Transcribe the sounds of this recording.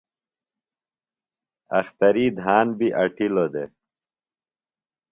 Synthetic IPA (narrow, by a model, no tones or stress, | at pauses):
ɐ̰xt̪ɐɾid̪ʱɦaːnbiʔɐʈilod̪e